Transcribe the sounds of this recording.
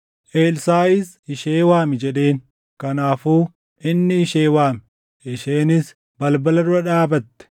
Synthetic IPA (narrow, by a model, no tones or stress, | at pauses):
ʔeːlsaːɪs | ɪʃeːwaːmɪd͡ʒɛᶑe̞ːn | kɐnaːfuː | ʔɪnːɪɪʃeːwaːm | ʔɪʃeːnɪs | bɐlbɐlɐɾʊɾɐᶑaːbɐt̪ːɛ̥